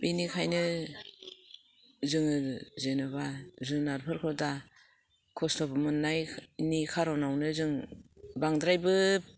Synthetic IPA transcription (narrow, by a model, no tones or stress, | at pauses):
binikʰajnɯ | zɯŋɯzenɯβazɯŋnaɾpʰɯɾkʰɯda | kʰɔsnɔbɯmɯnːajnikʰaɾawnawnɯzɯŋbaŋdɾajbɯ